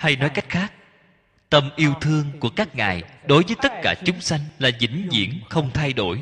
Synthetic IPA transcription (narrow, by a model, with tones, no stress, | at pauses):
ha˧jnɔ˨˦jka˦˥jk̟̚xaː˦˥k̚ | t̪ə˧mʔi˧əwt̪ʰɨ˧əŋku˧˩əkaː˦˥k̚ŋa̰ː˨˩jɗo˨˦jvəː˨˦jt̪ə˦˥t̚kaː˧˩t͡ɕʊ˨˦ŋ͡msa˧jŋ̟laː˨˩zḭ˧˥ŋ̟zḭ˧˥əŋxə˧wŋ͡mt̪ʰa˧jɗo˧˩j